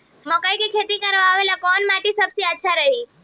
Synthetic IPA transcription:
mə̃kəjkekʰet̪ikəɾʋaaʋelakɔnmaʈisəbsiətːʃʰaɾəɦi

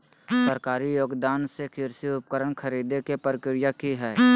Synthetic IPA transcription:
səɾkaːɾijoːɡd̪aːnsekʰɪɾsiʊp̚kəɾəɳkʰəɾiːd̪ekepəɾɪkɾɪjakiɦɛː

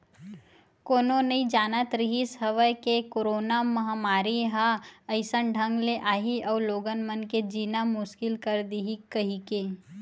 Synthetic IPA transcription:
koːnonɐĩd͡ʒaːnat̪ɾiɦisəʋəjkekoːɾoːnamɐɦamaːɾiɦaɐɪsənɖʱə̃ŋɡleʔaːɦiʔɔːloːɡənmənked͡ʒiːnamʊʃkɪlkəɾd̪iɦikɐɦike

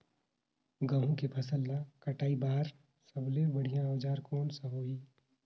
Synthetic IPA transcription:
ɡə̃ɦũkepʰɐsəlːakɐʈaːibaːɾ | səblebɐɽ̤ijãod͡ʒaːɾkɔːnsəɦoːiː

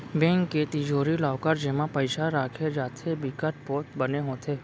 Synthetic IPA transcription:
bẽːŋkːet̪id͡ʒoːɾilaːkəɾd͡ʒɪmãpəɪʃaɾaːkʰed͡ʒaːt̪ʰebɪkəʈ̚pɔːt̪̚bəneɦõːt̪ʰeː

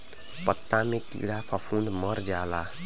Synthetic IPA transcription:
pʌt̪ːamekḭɽapʰʌpʰund̪mʌɾd͡ʒala

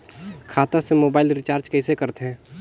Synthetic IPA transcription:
kʰaːt̪ãsemoːbaːɪlɾɪt͡ʃaːɾd͡ʒkɛɪsekəɾt̪eɦɛ̃ː

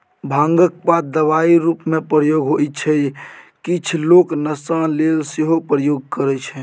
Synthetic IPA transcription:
bʱãŋɡək̚pat̪̚d̪əʋaiɾupmẽpɾəjoɡɦoit͡ʃʰɛkit͡ʃʰloknəsalelseɦopɾəjoɡ̚kəɾɛt͡ʃʰɛ̃

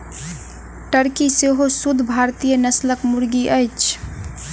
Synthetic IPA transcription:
ʈəɾkiseɦosud̪ʱbʱaɾt̪ijənəsləkmuɾɡiʔəjt͡ʃʰ

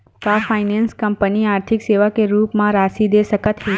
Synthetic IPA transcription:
kafʰajnenskəmpəniaɾt̪ʰikseʋakeɾupmãɾaʃid̪esəkət̪ʰɦe

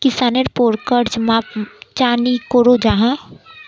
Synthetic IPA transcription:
kɪsaːneɾpoːɾkəɾt͡ʃmapt͡ʃaːnikoːɾod͡ʒaːɦã

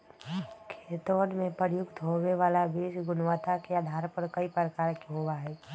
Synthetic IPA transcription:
kʰeːt̪oːnmẽpəɾjʊkt̪ɦoweʋaːlabeːʃɡʊnʋət̪akeaːd̪ʱaːɾpəɾkəipəɾəkaːɾkeɦowaɦɛː

